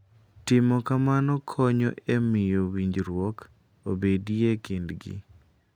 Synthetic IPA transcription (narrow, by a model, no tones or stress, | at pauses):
tɪmɔkamanɔkʰɔɲɔ̰ʔemɪjowiɲd͡ʒɾwok | obediekendɡḭ